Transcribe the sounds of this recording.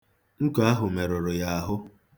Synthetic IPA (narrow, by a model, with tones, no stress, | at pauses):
ŋ̩˦ka˦ɦʊ˨me˨ɾʊ˨ɾʊ˨ja˦a˦ɦʊ˦